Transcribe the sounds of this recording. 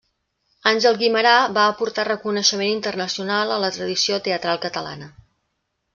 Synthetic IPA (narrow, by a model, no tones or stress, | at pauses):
anʲʒɛlˠɣiməɾaβaəpuɾt̪arəkunəʃəmenint̪ərnəsiunalˠələt̪ɾəðisiot̪eət̪ɾalˠkət̪əla̰nə